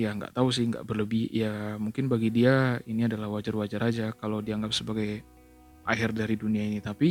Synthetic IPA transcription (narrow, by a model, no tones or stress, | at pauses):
jaŋɡa̰ʔt̪aus̬ɪhŋɡa̰ʔbərləbɪhjamuŋkɪnbaɡidiainiadalahwad͡ʒarwad͡ʒaɾad͡ʒakalawdiaŋɡap̚səbaɡaj | ʔa̰hɪrdaɾiduniainit̪api